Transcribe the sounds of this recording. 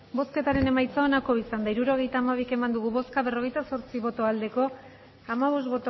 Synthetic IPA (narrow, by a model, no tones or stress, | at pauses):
bo̞ske̞t̪aɾe̞ne̞majt͡sao̞nako̞isand̪aiɾuɾo̞ɣ̞e̞jt̪aːmaβ̞ike̞mand̪uɣ̞uβo̞skaβe̞ro̞ɣ̞e̞jt̪aso̞ɾt͡siβo̞t̪o̞ald̪e̞ko̞ | amaβ̞o̞st̪βo̞t̪o